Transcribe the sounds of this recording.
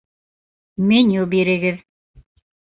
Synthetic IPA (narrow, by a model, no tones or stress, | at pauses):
menʲubiɾɘ̆ɡɘð